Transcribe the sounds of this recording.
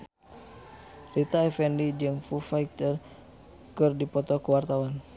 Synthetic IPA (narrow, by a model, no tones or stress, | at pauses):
rit̪aɛfɛndid͡ʒɨŋfufait̪ər | kɨrdipɔt̪ɔkəwart̪awan